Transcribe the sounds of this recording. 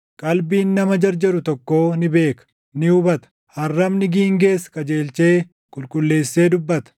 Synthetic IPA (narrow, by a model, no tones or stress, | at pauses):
kʼɐlbiːnːɐmɐd͡ʒɐɾd͡ʒɐɾʊt̪ɔkːo̞ːnɪbe̞ːkɐ̥ | nɪʊbɐt̪ɐ̥ | hɐrːɐmnɪɡiːŋɡe̞ːskʼɐd͡ʒe̞ːlt͡ʃe̞ː | kʼʊlkʼʊlːe̞ːsːe̞ːd̪ʊbːɐt̪ɐ̥